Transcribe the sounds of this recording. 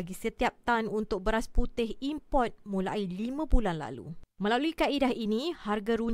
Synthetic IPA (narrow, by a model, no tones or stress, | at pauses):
ɡisət̪iap̚t̪anunt̪ʊk̚bəɾasput̪ɪɦimpɔt̪̚mũlailimãbulanla̰lṵmə̃laluikaidaɦiniharɡaɾuɲ